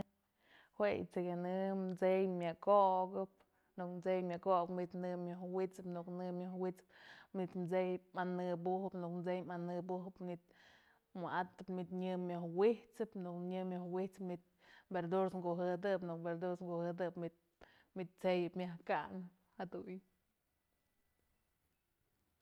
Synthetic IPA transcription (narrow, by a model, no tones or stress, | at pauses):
hwej̰t͡sejanɨmd͡zejmʲakoʔɡɨp̚ | nukmt͡sejmʲakokmid̪nɨmjohwit͡sɨpnuknɨmʲjohwit͡sɨ̥p̚mit̪mt͡sejɨpmanɨbuhɨpnukmt͡sejmanɨbuɦɨpnit̪̚ | mɨʔat̪ːɨpmit̪ɲɨmʲohwiht͡sɨpnukɲɨmʲjohwit͡sɨpmit̪̚ | beɾd̪uɾsŋɡoʔɦɨd̪ɨpnuk̚beɾd̪uɾsŋɡohɨd̪ɨpmit̪̚ | mit̪̚t͡sejɨpmʲahkaʔnɨphad̪uj